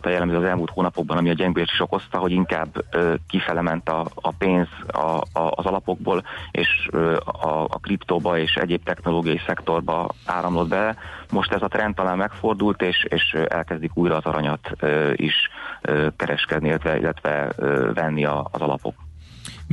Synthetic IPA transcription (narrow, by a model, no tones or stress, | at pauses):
t̪ɒjɛlːɛmzøɒzɛlmuːlt̪hoːnɒpo̞ɡ̚bɒnɒmiɒɟɛŋɡøɛʃt̪iʃoko̞st̪ɒɦo̞ɟiŋkaːbːøkifɛlɛmɛnt̪ɒːpeːnzɒ̰ːzɒlɒpo̞ɡ̚boːlḛːʃøɒ̰ːkript̪oːbɒeːʃɛ̰ɟeːp̚t̪ɛxno̞loːɡijɒjisɛkt̪o̞rbɒa̰ːɾɒmlo̞d̪bɛlɛmo̞ʃt̪ɛzɒt̪rɛnt̪ːɒlaːmmɛkfo̞rd̪ult̪eːʃeːʃɛ̰lkɛzd̪ikuːjɾɒːzɒɾɒɲɒt̪øḭʃøkɛɾɛʃkɛd̪niilːɛt̪ʋɛḭlːɛt̪ʋɛ̰ːvɛnːiɒːzɒlɒ̰po̞̰k